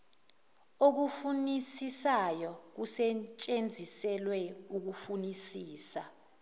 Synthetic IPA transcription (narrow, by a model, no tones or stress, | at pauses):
ok̬ufunisisajɔk̬usɛt͡ʃʼend͡zʱisɛlwɛuk̬ufunisiːsa